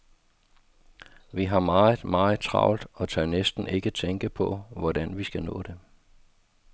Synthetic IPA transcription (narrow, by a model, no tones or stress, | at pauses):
ʋiɦɑ̈mɑ̈ːmɑ̈ːð̩t͡sʰʁɑ̰̈ʊ̰ld̥ɒ̽t͡sʰɑnesd̥n̩e̝ɡ̥ət͡sʰeŋɡ̥əpʰɒ̽ʋɒd̥ænʋisɡ̥ænɔ̰ːd̥e̝